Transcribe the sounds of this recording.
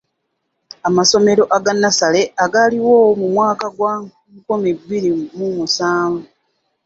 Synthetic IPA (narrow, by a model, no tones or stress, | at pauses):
amaso̞me̞ɾo̞ʔaɡanːasale̞aɡaliwoːwmumwaːkaɡwa | komibːiɾimumusaːɱvu